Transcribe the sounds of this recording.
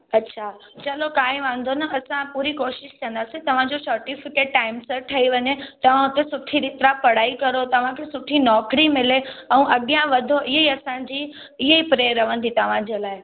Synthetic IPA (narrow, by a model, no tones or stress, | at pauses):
ɐtːɕʰat͡ɕɐlokãːĩʋãnd̪ʱonɐʔɐsãpuːɾikoːʃɪʃkʰɐ̃nd̪asĩt̪ɐʋ̤ãd͡ʑosɐɾʈifɪkeːʈʈaːɪmsəɾʈʰɐiʋɐɲet̪ɐʋ̤ãɦʊt̪esʊʈʰiɾɪt̪ɾapɐɽ̤aːikɐɾot̪ɐʋ̤ãkʰesʊʈʰinɔːkɽimɪleɐ̃ũʔɐɠjãʋɐd̪ʱoʔɪɦiɐsãd͡ʑi | ɪɦipɾeəɾɐʋə̃nd̪ʱit̪ɐʋ̤ãd͡ʑelaːɪ